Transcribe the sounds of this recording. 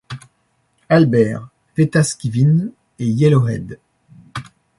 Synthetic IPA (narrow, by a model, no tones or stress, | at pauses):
albɛːʁ | v̥et̪askʲivin | ejɛlɔʁɛ̰d̪